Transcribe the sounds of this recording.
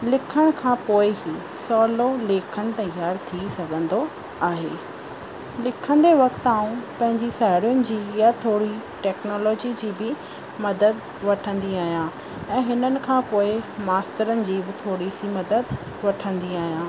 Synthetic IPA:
lɪkʰəɽ̃kʰãːpoːɪɦi | sɔːloleːkʰəñɪ̆t̪ɐjaːɾt̪ʰisɐɡʱə̃nd̪o | aːɦeː | lɪkʰə̃nd̪eʋɐkt̪aːũpɐ̃ɦɪ̃ɲd͡ʑisaːɦɪɾjʊnɪ̆d͡ʑiːjat̪ʰoːɽiʈɛːknɔːlɔːd͡ʑid͡ʑiːbɪ | mɐd̪əd̪ | ʋɐʈʰə̃nd̪iaːɦijãː | ɛ̃ːɦɪnənɪ̆kʰãːpoːɪmaːsʈəɾənɪ̆d͡ʑiːbɪt̪ʰoːɽisimɐd̪əd̪ | ʋɐʈʰə̃nd̪iaːɦijãː

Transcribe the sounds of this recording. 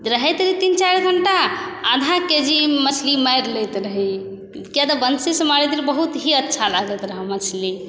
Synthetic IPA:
ɾəɦɛt̪ɾiit̪int͡ʃaɾɡʱəɳʈaːd̪ʱãked͡ʒimət͡ʃʰliməjɾləjt̪ɾəɦi | kjat̪əbənsisə̃maɾid̪iɾbəɦut̪ɦiətːʃʰalaɡət̪ɾəɦəmət͡ʃʰli

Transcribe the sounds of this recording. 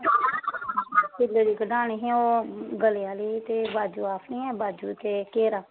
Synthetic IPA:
pɪlːəɾiːkəɖaːniːɦĩoːɡəlejaːliːt̪eːbaːd͡ʒuːaːpʰniːɛːbaːd͡ʒuːt̪eːkeːɾaː

